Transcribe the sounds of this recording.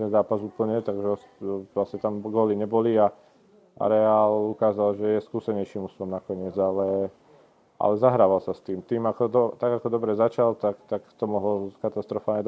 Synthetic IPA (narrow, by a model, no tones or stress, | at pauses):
t̪ɛnzaːpazuːpl̩ɲɛt̪aɡʒɛ | lasɲɛt̪amɡɔːliɲɛbɔlia | ʔa̰ɾɛaːlukaːzalʒɛjɛskuːsɛɲɛjʃiːmust̪lɔmnakɔɲɪɛd͡zalɛ | ʔa̰lɛzaɦɾaːʋalsast̪iːmt̪iːmakɔd̪ɔt̪aɡakɔd̪ɔbɾɛzat͡ʃalt̪akt̪akt̪ɔmɔɦlɔkat̪ast̪ɾɔfaːlɲɛd̪